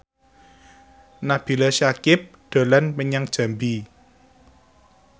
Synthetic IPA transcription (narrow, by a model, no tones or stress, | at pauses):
nab̥i̤ləʃakɪp̚ɖ̪̥o̤lanməɲaŋd̥ʒ̥a̤mbi